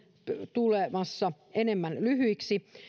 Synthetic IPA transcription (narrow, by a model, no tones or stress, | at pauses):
t̪ulemɑsːɑ | enemːænlyhyiksi